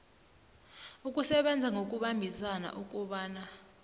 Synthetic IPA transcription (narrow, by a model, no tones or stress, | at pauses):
uk̬ʼusɛɓɛnd͡zʱaŋok̬ʼuɓambʱisana̰ʔuk̬ʼuɓaːna